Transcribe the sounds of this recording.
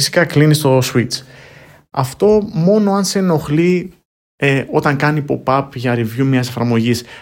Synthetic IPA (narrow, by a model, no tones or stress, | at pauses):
isi̥kɐklinist̪o̞suit͡s | ɐ̰ft̪o̞mo̞no̞ɐnse̞no̞xli | eo̞t̪ɐŋkɐnipo̞pɐpʝɐɾivjumɲɐsefɐɾmo̞ʝis